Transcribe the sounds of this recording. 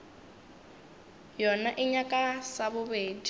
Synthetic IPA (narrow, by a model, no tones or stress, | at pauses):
jɔnaʔiɲakʼasaβʊβeːdi